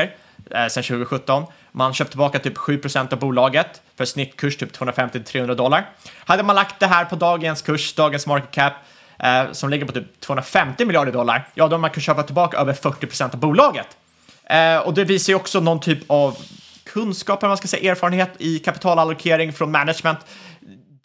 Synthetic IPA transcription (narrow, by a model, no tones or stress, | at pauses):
əɾ | sɛnɕʉ̟ːɡəɧɵt̪ːɔn | manɕøːp̚t̪ɪbɑːkat̪ʰyːpɧʉ̟ːpʰɾʊsɛnt̪avbuːlɑːɡət̪fœʂnɪt̪ːkʰɵʂtʰyːpt̪ʰoːhɵnɾafɛmt̪ɪt̪ʰɾeːhɵnɾad̪ɔlːaɾhad̪ːəmanlak̚t̪̚d̪ɛɦæːɾpʰɔd̪ɑːɡənskʰɵʂd̪ɑːɡənsmɑɾkɛt̪̚kʰæpː | sɔmlɪɡːəɾpɔt̪yːp̚t̪ʰvoːhɵnɾafɛmt̪ɪmɪljɑːɖəɖɔlːa̰ɾjɑːd̪ɔmankʰanɕøːpat̪ɪlbɑːkaʔøːvəɾfœʈːɪpʰɾʊsɛnt̪avbuːlɑːɡət̪ | ɔd̪ɛviːsaɾjɔksɔnɔnt̪ʰyːpʰav | kʰɵnskɑːpɛlɛmaskasɛjːʔeːɾfɑːɾənheːt̪ɪkʰapɪ̥t̪ʰɑːlalʊkʰeːɾɪŋfɾɔnmɛnad̪ʂmɛnt̪